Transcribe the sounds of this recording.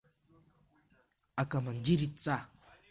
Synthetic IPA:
akamandiɾit͡sa

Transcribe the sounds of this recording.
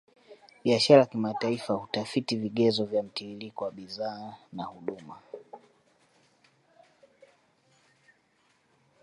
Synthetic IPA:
ɓiaʃaɾakimataifahutafitiviɠɛzɔvjam̩tiilikɔwaɓizaːnahuɗuma

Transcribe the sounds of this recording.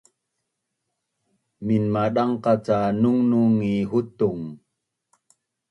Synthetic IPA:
minmaɗaŋqat͡sanuŋnuŋiɦut̪uŋ

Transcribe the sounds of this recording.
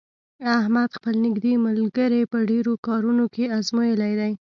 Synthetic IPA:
ahmad̪xpəlnɪɡd̪emʊlɡəɾepəɖeɾokɑɾunokeazmojəlajd̪aj

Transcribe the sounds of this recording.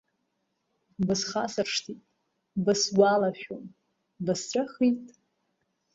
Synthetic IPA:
bɨsχasɨrʂtʰitʼ | bɨswalaʃᶣom | bɨsʈ͡ʂʷʼaχitʼ

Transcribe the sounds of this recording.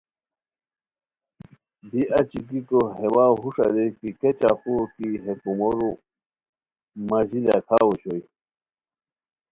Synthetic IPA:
biʔɐt͡ɕikikoɦewaɦuʂa̰lekiket͡ɕaxuɾkiɦekumoɾu | mazila̰kʰaːwuɕoj

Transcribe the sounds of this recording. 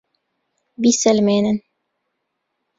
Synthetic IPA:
bisɘlmenɘ̆n

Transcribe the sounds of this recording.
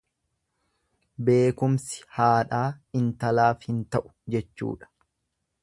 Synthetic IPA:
be̞ːkʊmsɪ̥haːᶑaːɪnt̪ɐlaːfhɪnt̪ɐʔʊ̥d͡ʒɛt͡ʃːṵːᶑɐ̥

